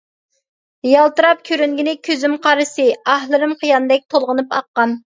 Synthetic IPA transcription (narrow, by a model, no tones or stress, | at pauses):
jɑlˠt̪ɨɾɑp̚kʲʰøɾyŋɡʲinɪkʲʰøzymqʰɑɾɨsɨɑhlˠɨɾɨmqʰəjɑnɨd̪ɛk̚ʲt̪ʰolˠʁənɨpɑqːɑn